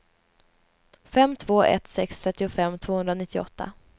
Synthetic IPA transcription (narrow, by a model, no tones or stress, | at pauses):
fɛmːt̪ʰv̥oːʔɛ̰t̪sɛkst̪ʰɾɛt̪ːɪʊfɛmːt̪ʰv̥oːhɵnɾanɪt̪ːɪɔ̰t̪ʰːa̰